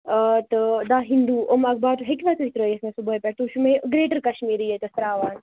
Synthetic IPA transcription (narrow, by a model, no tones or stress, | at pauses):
ət̪əd̪aːɦind̪uːʔomɐɡ̚baːt̪ɦekʲʋat͡s̪uʋit̪ɾojesmẽsubəːjpeʈt̪uʃumeɡɾeːʈəɾkɐʃmiːɾijet̪ɐst̪ɾaːʋaːn